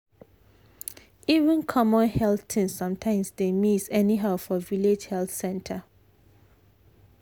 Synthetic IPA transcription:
ivə̃nkʰɔmɔ̃nhɛlθtʰĩnssʌ̃mtʰãɪ̃msdemisɛniɦaʊfɔviled͡ʒhɛlθsɛ̃ntʰə

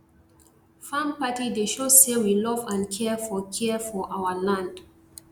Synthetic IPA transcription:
fãmpatideʃosewilɔvãnkʰɛfɔkʰɛfɔʔawəlãnd̥

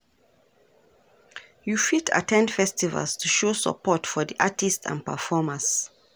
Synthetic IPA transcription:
jufita̰tʰɛ̃ndfɛstivə̰lstʰuʃosə̰pɔtfɔðiʔatistʰã̰npəfɔməs

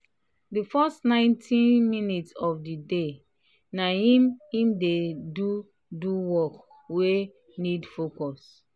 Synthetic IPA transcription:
difɔstnãɪ̃ntʰĩnminitsɔfdide | naimĩmdedu | duwɔk | we | nidfokɔs

